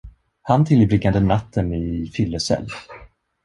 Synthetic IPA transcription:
hant̪ʰɪljɪbɾɪɡand̪ənat̪ʰːənɪfʏlːəsɛ̰lː

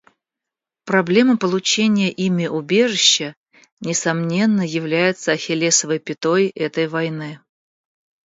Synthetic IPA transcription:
pɾɐblʲe̞məpəlˠʊt͡ɕenʲɪjəʔimʲɪʔʊbʲe̞ʐɨɕːə | nʲɪsɐmnʲe̞nːəjɪvlʲæjɪt̪səɐxʲɪlʲesəvəjpʲɪt̪o̞jʔɛt̪əjvɐjnɨ

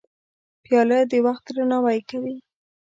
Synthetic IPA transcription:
pjɑləd̪əwaxt̪̚d̪ɾanɑwajkawi

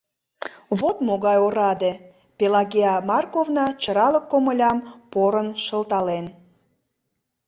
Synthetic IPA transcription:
βot̪moɣɑjoɾɑd̪e | pelɑɣeɑmɑrkovnɑt͡ɕəɾɑləkːoməlʲɑmpoɾənʃəlt̪ɑlen

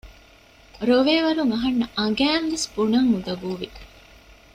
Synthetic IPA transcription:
ɾoʋeːʋɐɾuŋɐɦɐnːɐʔɐɡæːnʋesb̥unɐŋːud̪ɐbuːʋi

